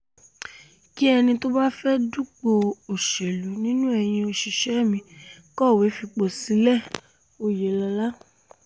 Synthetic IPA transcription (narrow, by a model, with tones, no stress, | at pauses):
ki˦ɛ˧nĩ˧to˦ba˦fɛ˦du˦k͡po˧o˨ʃe˨lu˨˦nĩ˦nũ˦ɛ˧˨j̃ĩ˧o˨ʃi˨ʃɛ˨˦˨mĩ˧kɔ˦˨we˨˦fi˧k͡po˨si˨˦lɛ˦˨ | o˨je˨la˧la˦